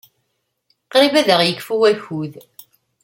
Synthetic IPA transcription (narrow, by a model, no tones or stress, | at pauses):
qːɾibæðəʁjəkːfuwæçuð